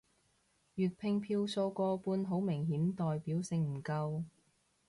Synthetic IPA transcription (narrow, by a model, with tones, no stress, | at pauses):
jyː˨t̚pʰɪ˧ŋpʰiː˧wso˧wkɔː˧puː˧nɦo˨˥wmɪ˨˩ŋɦiː˨˥nt̪ɔː˨jpiː˨˥wsɪ˧ŋm̩˨˩kɐ˧w